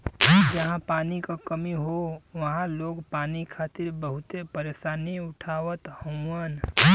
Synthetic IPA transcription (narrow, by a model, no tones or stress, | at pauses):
d͡ʒəɦãpaːnikakəmiɦoʋɐɦãloːɡpaːnikʰaːt̪ɪɾbəɦʊt̪epəɾeːsaːniʊʈʰaːʋət̪hə̃wən